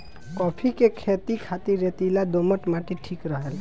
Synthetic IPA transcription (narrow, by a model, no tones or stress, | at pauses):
kɔpʰikekʰet̪ikʰat̪iɾːet̪ilad̪oməʈmaʈiʈʰikɾəɦel